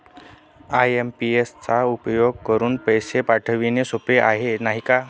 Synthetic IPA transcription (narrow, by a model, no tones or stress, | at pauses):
ajempiest͡saupjoɡ̚kəɾuːnpəjsepaʈʰəʋinesopeʔaɦenaɦika